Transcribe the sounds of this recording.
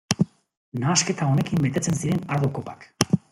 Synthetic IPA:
naːske̞t̪ao̞ne̞kimbe̞t̪e̞t͡se̞nsiɾe̞naɾðoko̞pḁk

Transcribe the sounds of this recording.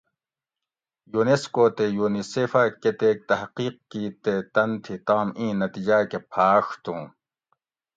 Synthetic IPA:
juneskoːt̪ejuːniseːfaket̪eːk̚t̪ɐhqiːq̚kiːt̪et̪ɐnt̪ʰit̪aːmĩːnɐt̪iːd͡ʑaːkepʰaːʂt̪ũː

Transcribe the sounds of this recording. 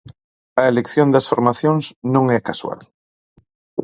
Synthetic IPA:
ɐelekθjond̪ɐsfoɾmaθjõŋsnõŋɛkaswa̰l

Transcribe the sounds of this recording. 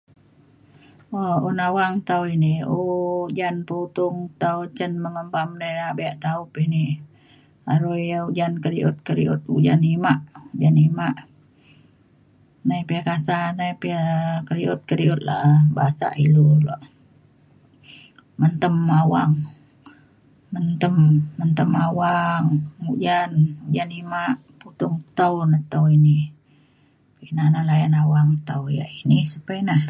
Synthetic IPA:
ounawaŋt̪auiniud͡ʒanpuut̪ʊŋt̪aut͡ʃənməŋəmbamdajnabɛaʔt̪aupini | aɾuaud͡ʒankəɾiʔut̪̚kəɾḭṵt̪̚ud͡ʒa̰nimaʔd͡ʒanimaʔ | naipiakasanaipiakəliut̪̚kəɾiut̪̚la̰ʔbaasa̰ʔilulaʔ | mənt̪əmawaŋ | mənt̪əmːənt̪əmawaŋud͡ʒanud͡ʒanimaʔ | put̪uŋt̪awnat̪əuini | pinanalajanawaŋt̪awja̰ʔinisəpainah

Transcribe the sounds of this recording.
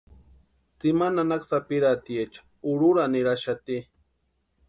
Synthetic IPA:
t͡simananaksapiɾat̪iet͡ʃḁ | uɾuɾaniɾaʃat̪i

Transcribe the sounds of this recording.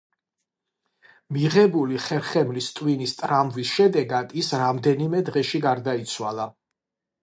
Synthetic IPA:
miʁɛbuliχɛɾχɛmlist̪ʼwinist̪ʼɾamvisʃɛd̪ɛɡad̪̥isɾamd̪ɛnimɛd̪ʁɛʃiɡaɾd̪ait̪sʰwalˠa

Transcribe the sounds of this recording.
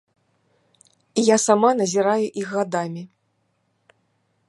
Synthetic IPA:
ijasamanɐzʲiɾajuʔixɣad̪amʲi

